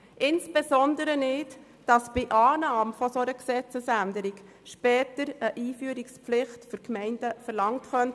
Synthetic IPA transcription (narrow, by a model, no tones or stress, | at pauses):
ʔɪnsb̥ezɔndəɾənɪt | d̥ɑsb̥ɪʔɑːnɑːmfɔsoɾəksɛt͡səsændəɾik | ʃpɛːtəɾəʔiːfyːɾiksplɪχtfʏɾkmɛɪnd̥əfəɾlɑŋtχœnt